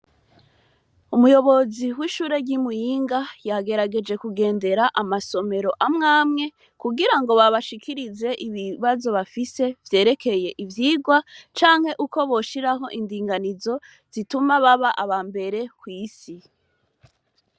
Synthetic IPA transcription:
umujo̞βo̞ziwiːʃuːɾe̞ɾɟimujiːŋɡajaɡe̞ɾaɡe̞d͡ʒe̞kuɡe̞ːnde̞ɾaʔamaso̞me̞ɾo̞ʔamŋaːmŋe̞ | kuɡiɾaŋɡo̞βaβaʃikʰiɾize̞ʔiβiβazo̞βafise̞vje̞ːɾe̞kʰe̞je̞ʔivjiːɡwat͡ʃaːŋhe̞ʔuko̞βo̞ʃiɾaɦo̞ʔindiːŋɡanizo̞ | z̥itumaβaβaʔaβambe̞ɾe̞kwiːsi

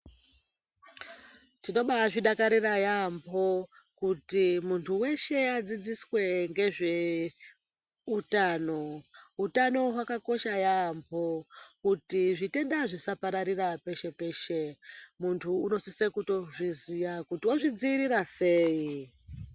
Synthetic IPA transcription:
tino̞ɓaʐiɗakaɾirajambʱo̞ | kutimuntʰuwe̞ʃe̞ad͡zid͡ziswe̞ŋɡe̞ʐe̞ | utaːno̞utano̞ɦwakako̞ʃajambʱo̞kutiʐite̞ndaʐisapaɾaɾirape̞ʃe̞pe̞ːʃe̞muntʰuːno̞sisekuto̞ʐizijakutiwoʐid͡ziːɾiɾase̞ːi

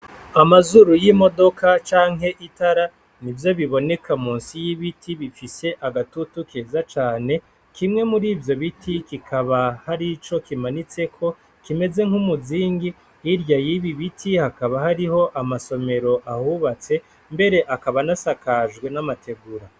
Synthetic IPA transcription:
amazuɾujimo̞do̞kat͡ʃaːŋɦe̞ʔitaɾa | nivjo̞βiβo̞ne̞kʰamuːnsijiβitʰiβifise̞ʔaɡatutukʰeːzat͡ʃaːne̞ | kʰimŋe̞muɾiːvjo̞βitʰikikʰaβahaɾit͡ʃo̞kimanit͡se̞kʰo̞ | kime̞ze̞ŋ̥humuziːŋɡi | iɾjajiβiβitʰihakaβahaɾiho̞ʔamaso̞me̞ɾo̞ʔahuβat͡se̞ | mbe̞ɾe̞ʔakaβanasakaʒɡwe̞namatʰe̞ɡuɾa

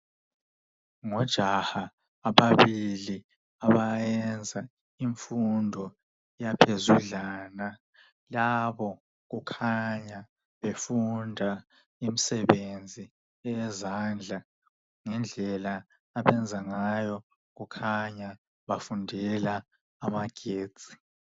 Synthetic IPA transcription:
ŋɔd̥ʒ̥ʱahaː | βaβili | aβajɛnd͡zʱa | iɱfundʱɔ | japʰezuɮaːna | laβɔ | ɣukʰaɲa | βefundʱa | imisɛβend͡zʱi | ɛɛzand͡ɮʱa | ŋɛnd͡ɮʱɛlaː | βɛnd͡zʱaŋajɔ | ɣukʰaɲa | βafundʱɛlaː | maɡ̥ʱe̥ːz̥ʱʼi̥

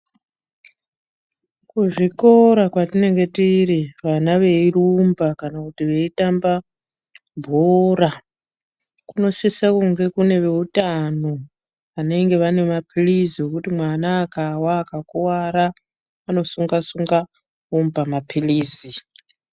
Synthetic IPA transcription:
kuʐiko̞ɾakwatine̞ŋɡe̞tiriʋanaʋe̞irumbakanakutiʋe̞itamba | bʱoɾa | kuno̞sisakuŋɡe̞kune̞ʋe̞utano̞ | ane̞ŋɡe̞ʋane̞mapʰiliziwo̞kutimwanaːkawaːkakuwaɾa | ano̞suŋɡasuŋɡa | umbamapʰiliːzi

